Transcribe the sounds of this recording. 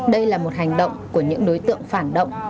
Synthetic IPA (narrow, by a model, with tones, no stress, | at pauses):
ɗə˧jlaː˨˩mo˨˩t̚ɦa˨˩jŋ̟ɗə̰˧˨wŋ͡mku˧˩əɲɨ̰˧˥ŋɗo˨˦jt̪ɨ̰˧˨əŋfaː˧˩nɗə̰˧˨wŋ͡m